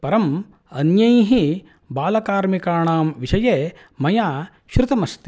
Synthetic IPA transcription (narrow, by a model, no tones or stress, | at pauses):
pɐɾɐm | ɐnjɐjɦi | baːlɐkaːɾmikaːɳaːmʋiʃɐjeː | mɐjaː | ʃɾut̪ɐmɐst̪i̥